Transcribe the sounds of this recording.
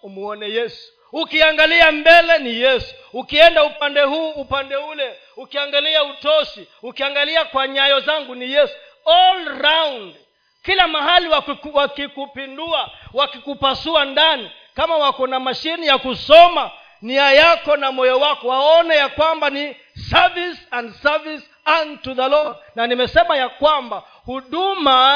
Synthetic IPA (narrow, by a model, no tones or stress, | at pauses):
umuɔnɛjɛsu̥ | ukiaŋɡaliambɛlɛnijɛsu̥ukiɛndaupandɛɦuːupandɛulɛ | ukiaŋɡaliautɔsi | ukiaŋɡaliakwaɲajɔzaŋɡunijɛsu̥ | ɔlɾawnd | kilamaɦaliwawakikupinduawakikupasuandani | kamawakɔnamaʃinijakusɔma | niajakɔnamɔjɔwakɔwaɔnɛjakwambani | savisandsavis | antuðalɔnanimɛsɛmajakwamba | huɗuma